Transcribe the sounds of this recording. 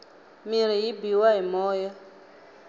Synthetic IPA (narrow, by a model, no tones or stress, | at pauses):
miɾ̤ijibiwaɦimɔːjɔ